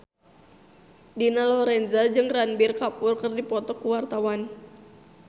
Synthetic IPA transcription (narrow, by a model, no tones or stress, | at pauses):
dinalɔɾɛnzad͡ʒɨŋranbirkapʊrkɨrdipɔt̪ɔkuwart̪awan